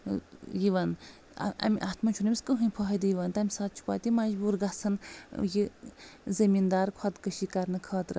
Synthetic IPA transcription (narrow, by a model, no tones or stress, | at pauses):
jiʋɐn̰ | ɐ̰mʲiʔaːt̪mɐnt͡ʃʰunimʲiskəɦɨ̃jpʰɐːɦɐd̪ɨjiʋɐnt̪ɐmʲisaːt̪̚t͡ʃʰu̥pa̰ːt̪imɐd͡ʒbuːɾɡasɐnjizɐmind̪aːɾkʰɐt̪kəʃikɐɾnɨkʰɐːt̪ɾɨ